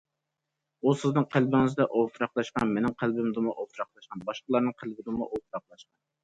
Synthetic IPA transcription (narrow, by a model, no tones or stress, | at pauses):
usɪznɨŋqʰælbɪŋɨzd̪ɛʔofɾɑqlˠɑʃqɑnmenɪŋqʰælbɪmd̪ɨmuʔofɾɑχlˠɑʃqɑnbɑʃqəlˠɑɾnɨŋqʰælbɪd̪ɨmṵʔofɾɑqlˠɑʃqɑn